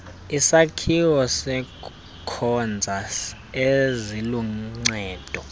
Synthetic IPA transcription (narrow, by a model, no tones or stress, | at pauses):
isakʰiwɔsɛ | kʰɔnd͡zʱa | eziluŋ͡ǀɛːd̥ʱɔ